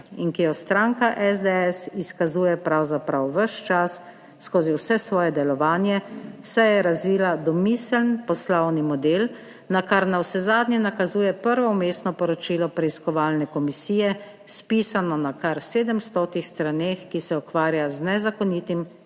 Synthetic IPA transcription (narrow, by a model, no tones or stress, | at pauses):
inkijɔst̪ɾaːŋkaʔɛzd̪ɛɛsiskazuːjɛpɾawzapɾawʋəʃt͡ʃasː | koːziwsɛsʋɔːjɛd̪ɛlɔʋaːnjɛsɛjɛɾazʋiːlad̪ɔmiːslnpɔslɔwnimɔd̪eːl | nakaɾnawsɛzaːd̪nɲjɛnakazuːjɛpəɾʋɔmeːsnɔpɔɾɔt͡ʃiːlɔpɾɛiskɔʋaːlnɛkɔmisiːjɛ | spiːsanɔnakaɾseːd̪əmst̪oːt̪ixst̪ɾaneːxkisɛɔkʋaːɾjaznɛzakɔniːt̪im